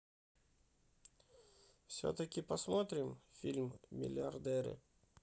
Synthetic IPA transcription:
fsʲo̰t̪əkʲɪpɐsmot̪ɾʲɪmfʲilʲmːʲɪ̰lʲɪɐrd̪ɛɾɨ̰

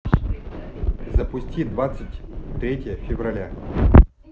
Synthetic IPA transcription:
zɐpʊsʲtʲid̪vat̪sɨtʲt̪ɾʲetʲɪjəfʲɪvrɐlʲa

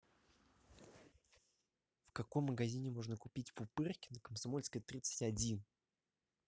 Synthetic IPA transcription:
fkɐko̞mːəɡɐzʲinʲɪmo̞ʐnəkʊpʲitʲpʊpɨrkʲɪ̥nəkəmsɐmo̞lʲskəjt̪ɾʲit̪sɨ̥tʲɐdʲin

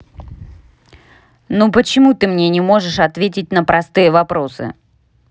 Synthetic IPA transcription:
nupət͡ɕɪmut̪ɨmnʲenʲɪmo̞ʐɨʂɐt̪vʲet̬ʲɪtʲnəpɾɐst̪ɨjəvɐpɾo̞sɨ̰

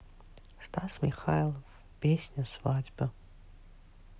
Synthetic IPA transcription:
stʰasmiχajlˠov | pesʲnʲasvadbɐ

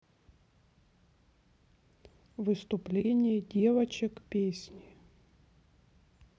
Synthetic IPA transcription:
vɨst̪ʊplʲenʲɪjədʲe̞vɐt͡ɕɪkpʲesʲnʲɪ

